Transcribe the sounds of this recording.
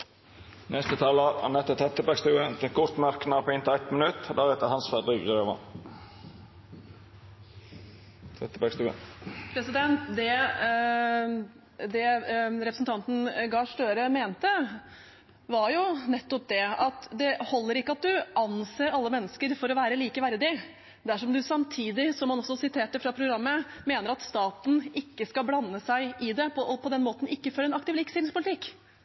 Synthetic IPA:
nʔɛst̪ət̪ʰɑːləɑ̰nɛt̪ːət̪ʰɾɛt̪ːəbækst̪ʉːət̪ɛkʰɔɾt̪mɑɾkənɑpʰɪnt̪æt̪mənʉt̪d̪æɾɛt̪əhɑnsfæd̪ɪɡøːʋə̰n | t̪ʰɛt̪ːəbækst̪ʉːə̰pʰɾɛsɪd̪ɛnt̪d̪ɛ | d̪ɛɾɛpɾəsn̩t̪ɑnt̪n̩ɡɑːʂʈøːɾəmeːnt̪ə | ʋɑɾjʊnɛt̪ːɔp̚d̪ɛɑt̪d̪ɛhɔlːəɾɪkːəɑt̪̚d̪ʉʔɑnseːɾɑlːəmɛnːəskəɾfɔɾɔʋæːɾəliːkəʋæɾd̪ɪ | d̪æʂɔmd̪ʉsɑmt̪ʰiːd̪ɪsɔmːɑnɔsːɔsɪt̪ʰeːʈːəfɾɑpʰɾʊɡɾɑmːəmeːnəɾɑt̪st̪ɑːt̪n̩ɪkːəskɑblɑnːəsæɪʔɪd̪ɛpʰɔpʰɔd̪ɛnmoːt̪n̩ɪkːəfɔɾɛnɑk̚t̪ɪʋlɪːksɪɪŋspʰʊlɪt̪ɪkː

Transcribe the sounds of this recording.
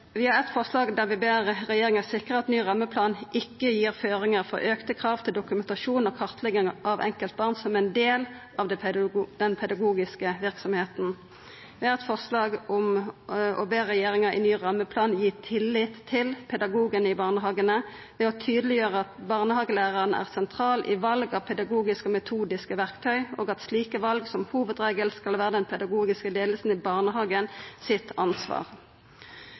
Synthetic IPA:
ʋɪhɑʁɛt̪fɔʁʂlɑːɡd̪æʁʋɪbeːɾɛjeːɾɪŋæʁsɪkʁəɑt̪nyːɾɑmːəpʰlɑːnɪkːəjiːɾføːɾɪŋəʁfɔ̰ɾøːkt̪əkʰɾɑːʋt̪ʰɪld̪ʊkʉmɛnt̪ɑʃuːnɔkʰɑʁt̪ʰlɛɡɪŋʔɑʋɛ̰ŋkəlt̪̚bɑʁnsɔmɛɪnd̪eːl | ɑʋd̪̥ɛnpʰɛd̪ɑɡuːɡɪskəʋɪʁksɔmheːt̪n̩ | ʋɪhɑɾʁɛt̪fɔʁslɑːɡɔmʔɔ̰beːʁɛjeːʁɪŋɑʔɪ̰nyːʁɑmːəpʰlɑːnjiːt̪ʰɪlːɪt̪ʰːɪlpʰɛd̪ɑɡuːɡənɪbɑːʁnəɦɑːɡənə | ʋɛɔt̪ʰyːd̪əlɪjøːʁəɑt̪̚bɑːʁnəhɑːɡəlæːʁɑʁənəæ̰ːʁsɛnt̪ʰʁɑːlʔɪʋɑlɡɑʋpʰɛd̪ɑɡuːɡɪskəɔmɛt̪ʰuːd̪ɪskəʋæʁkt̪ʰœʏʔoːɡɑt̪sliːkəʋɑlɡsɔmhuːʋəd̪ʁeːɡəlskɑlʋæːʁəd̪ɛnpʰɛd̪ɑɡuːɡɪskəleːd̪lsn̩ɪbɑʁnəɦɑːɡənsɪt̪ʰɑnsʋɑ̰ːʁ

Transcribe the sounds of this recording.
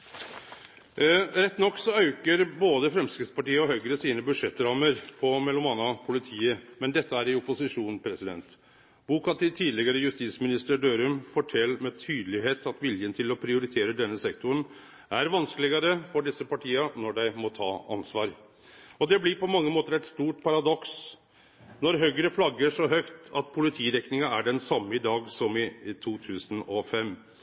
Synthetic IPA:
ɾɛt̪ːnɔkːsɔɑʉkəɾboːd̪əfɾɛmskəspʰɑʈiːəɔhœʏɡɾəsiːnəbʉʂɛt̪ːɾɑːməɾpʰɔmɛlːɔmɑnːɑpʰʊlɪt̪ʰiːəmɛnd̪ɛt̪ːəæɾɪʊpʊsɪʂuːnpʰɾɛsɪd̪ɛ̰nt̪ | b̥uːkɑt̪ʰɪt̪ʰiːd̪lɪɡəɾəjʉst̪iːsmɪnɪst̪əɖøːɾʉmfɔʈʰɛlːmɛt̪ʰyːd̪lɪɦeːt̪ʰɑt̪ʋɪljənt̪ʰɪlɔpʰɾɪʊɾɪt̪ʰeːɾəɖɛnːəsɛkt̪ʊəɳ | ʔæɾʋɑnskəlɪɡɑɾəfɔɖɪsːəpɑʈʰiːɑnɔɖæɪmɔt̪ʰɑːɑ̰nsʋɑːɾ | ɔd̪ɛblɪpʰɔmɑŋːəmoːt̪əɾɛt̪st̪uːʈpʰɑɾɑd̪ɔks | nɔɾɦœɡɾəflɑɡəʂɔɦœkt̪ɑt̪̚pʰʊlɪt̪ʰiːɾɛknɪŋɑæɖɛnsɑmːəɪd̪ɑːɡsɔmɪt̪ʰuːt̪ʰʉːsənɔfɛmː

